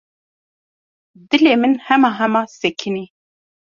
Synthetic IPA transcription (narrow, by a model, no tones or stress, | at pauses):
d̪ɨleːmɨnhɛmɑːɦɛmɑːsɛkʰɨniː